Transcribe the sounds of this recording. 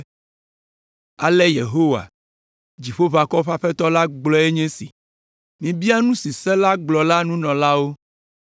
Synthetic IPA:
a̰˨lɛ˦je˨ɦo˦wa̰˨ | d͡ʑi˨ɸo˦va˨kɔ˦ɸa˦ɸɛ˦t̪ɔ˦la˦ɡ͡blɔ˦e˦ɲẽ˦sḭ˨ | mĩ˨bi˦a˦nũ˦si˨sɛ˦la˦ɡ͡blɔ˨la˦nũ˦nɔ̃˨la˦wo˦

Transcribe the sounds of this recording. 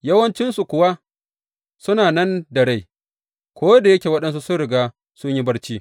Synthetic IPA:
jɐ˦wɐ˦nt͡ʃɪ˦nsu˨kʷʊ˨wa˦ | sʊ˦naː˨nɐ˦ndɐ˨ɽe˦˨j | kʷoː˦da˨jɐ˦kʲeː˨wɐ˦ɗɐ˦ns̬u˦sʊ˦ɽɪ˨ɡaː˦ | sʊ˦ɲji˦bɐ˦ɽt͡ʃiː˦

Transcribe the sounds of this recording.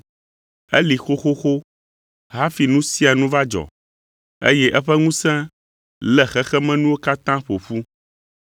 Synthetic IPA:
ɛ˦li˨xo˦xo˦xo˦ | ɦa˦fi˨nũ˦si˦a˨nũ˦va˦d͡ʒɔ̰˨ | ḛ˦jɛ˦ʔɛ˦ɸɛ˦ŋũ˦sɛ̃˦ | lɛ˨xɛ˦xɛ˦mɛ̃˦nũ˦wo˦ka˦t̪ã˦ɸo˨ɸu˦

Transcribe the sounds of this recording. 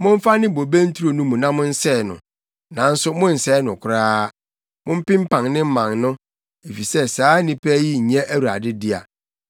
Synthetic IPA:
mʊ̃˦ɱ̩˦fa˦nɪ̃˦bo˨be˦n̩˦tʰu˦ɾo˨nũ˦mũ˨nã˦mʊ̃˦n̩˦sɛː˦˨nʊ̰̃˨ | nã˨n̩˦sʊ˦mʊ̃˦n̩˨sɛː˦nʊ̃˨kʷʰʊ˨ɾaː˦ | mʊ̃˦m̩˦pɪ̃˦m˦pʰã˨ŋnɪ̃˦m̩˦mã˨ŋnʊ̃˦ | e˨fi˨sɛ˦saː˨˦nĩ˦pʰæ˦ji˦˨ɲɛ̃˦ʔæ˦wu˨ɾa̰˨dɪ˦dɪ˦a̰˨

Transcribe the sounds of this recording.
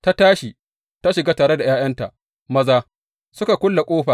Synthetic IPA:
ta˦taː˦ʃi˨ | ta˦ʃɪ˨ɡaː˦taː˨ɽe˦da˨jaː˦j̰ɐ˦nta˨ʔ | mɐ˦zaː˦ | sʊ˦ka˨kʷʊ˦lːa˨kʷʼoː˦ɸaː˨

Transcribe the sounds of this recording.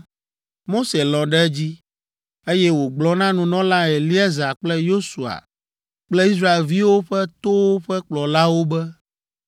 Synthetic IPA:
mo˦se˨lɔ̃˨ɖɛ˦d͡ʑi˦ | e˦jɛ˦wo˨ɡ͡blɔ˦nã˦nũ˨nɔ̃˦lã˦e˨li˦ɛ˦za˨k͡plɛ˦jo˦su˨a̰˨ | k͡plɛ˦i˦s̬ɾa˦e˨lvi˦wo˦ɸɛ˦t̪o˦wo˦ɸɛ˦k͡plɔ˨la˦wo˦bɛ˦

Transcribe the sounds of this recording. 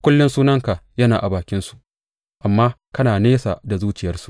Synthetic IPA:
kʷʊ˦lːʊ˦nsuː˦nɐ˦ŋka˨jɐ˦naː˨ʔa˨baː˨kʲɪ˦nsu̥˦˨ʔ | ʔa˨mːaː˦kɐ˦naː˨neː˦sa̰˨da˨zuː˦t͡ʃɪ˨jɐ˦rsu̥˨

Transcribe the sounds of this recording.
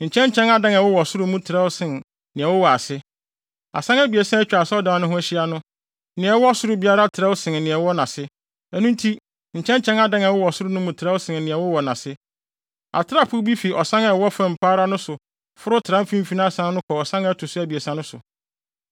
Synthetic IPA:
ɲ̩˨t͡ɕʰɛ̃˦n˦t͡ɕʰɛ̃˦na˨dã˦ŋa˨wʊ˦wɔ˨sʊ˦ɾʊ˦mʊ̃˦tʰɪ˨ɾɛ˦wʊ˦sɪ̃˨n | nɪ̃˨ɛ˨wʊ˦wɔ˨a˨sɪ˦ | a̰˨sã˦ŋæ˦bi˨æ˨sã˦æ˦t͡ɕᶣa˨sɛ˦ɔ˦dãː˨nʊ̃˦ɦʊ̃˦æ˦ɕi˦a˨˦nʊ̃˦ | nɪ̃˨ɛ˨˦ɔ˦sʊ˦ɾʊ˦bi˦a˦ɾa˦tʰɪ˨ɾɛ˦wʊ˦sɪ̃˨n˨nɪ̃˨ɛ˨wɔ˦nã˨sɪ˦ | æ˨nũ˦n˦tʰi˦ | ɲ̩˨t͡ɕʰɛ̃˦n˦t͡ɕʰɛ̃˦na˨dã˦ŋ˨a˨wʊ˦wɔ˨sʊ˦ɾʊ˦nʊ̃˦mũ˨tʰɪ˨ɾɛ˦wʊ˦sɪ̃˨nnɪ̃˨ɛ˨wʊ˦wɔ˨nã˨sɪ˦ | a̰˨tʰɪ˦ɾa˦pʰʊ˦bi˦fi˨ʔɔ˨sã˦ŋɛ˨˦wɔ˦fã˨m̩˨pʰaː˦ɾa˦nʊ̃˦sʊ˨ | fʊ˦ɾʊ˦tʰɪ˨ɾã˦m˦fĩ˦m˦fi˦nã˦sã˦nʊ̃˦kʰɔ˨ɔ˨sã˦ŋæ˦tʰʊ˨sʊ˦æ˨bi˨æ˨sã˦nʊ̃˦sʊ̰˨

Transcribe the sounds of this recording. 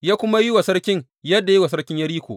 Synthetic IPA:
jaː˦kʷʊ˦ma˦ji˦wa˨sɐ˦ɽkʲɪ˦ŋ | jɐ˦dːa˨ji˦wa˨sɐ˦ɽkʲɪ˦ɲjɐ˦ɽiː˦kʷo̰ː˨

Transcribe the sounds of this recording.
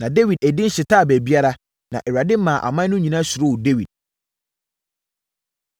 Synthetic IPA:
nã˨de˦wi˨d̚æ˨dɪ̃˦n̩˦ɕɪ˨tʰaː˦˨bæ˨bi˦a˦ɾa˦ | nã̰˨ʔɛ˨wa˨dɪ˦mã˨ʔa̰˨mã˦nʊ̃˦ɲĩ˨nã˦sʊ˨ɾo˦wde˦wi˨d̥̚

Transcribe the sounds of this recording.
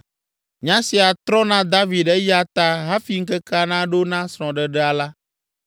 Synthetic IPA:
ɲã˦si˨a˨t̪ɾɔ˦nã˦d̪a˦vi˨ɛ˦ja˨t̪a˦ɦa˦fi˨ŋ̩˦kɛ˦ka˦nã˦ɖo˦nã˦sɾ̃ɔ̃˨ɖə˨ɖɛ˦a˨la˦

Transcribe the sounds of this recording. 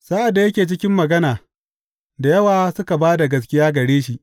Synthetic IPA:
saː˦ʔa˨dːa˨jɐ˦kʲeː˨t͡ʃɪ˦kʲɪ˦mːɐ˨ɡɐ˦naː˨ | da˨jɐ˦waː˨sʊ˦ka˨baː˦da˨ɡɐ˨s̬kʲɪ˦jaː˦ɡɐ˨ɽeː˦ʃi˨ʔ

